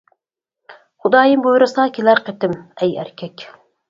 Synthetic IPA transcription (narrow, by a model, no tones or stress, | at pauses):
χʊd̪ɑːjɨmbojɾɨsɑːkʲʰelæɾqʰet̪ɪmɛjæ̰ɾkʲʰɛkʲ